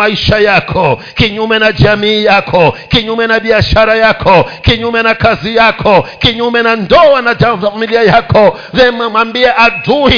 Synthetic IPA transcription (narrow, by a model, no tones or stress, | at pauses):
aiʃajakʰɔ | kiɲumɛnad͡ʒamiːjakʰɔkiɲumɛnaɓiaʃaɾajakʰɔkiɲumɛnakazijakʰɔkiɲumɛnandɔanad͡ʒafamiliajakɔ | ðɛmamambiɛʔaduhi